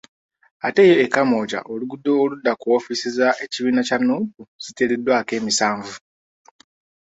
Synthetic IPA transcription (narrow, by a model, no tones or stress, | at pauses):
ate̞ːjo̞ekːamo̞ːɟa̰ʔoluɡudːo̞ːludːakuwofisizaʔe̞ciβiːnacanːuːbuz̥ite̞ledwake̞ːmisaːɱvu